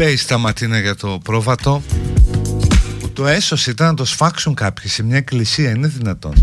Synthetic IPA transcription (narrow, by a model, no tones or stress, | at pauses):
peist̪ɐmɐt̪inɐʝɐt̪o̞pɾo̞vɐt̪o̞ | put̪o̞e̞so̞sit̪ɐnɐt̪o̞sfɐksuŋkɐpçisiemɲɐeklisiɐine̞ðinɐt̪o̞̰n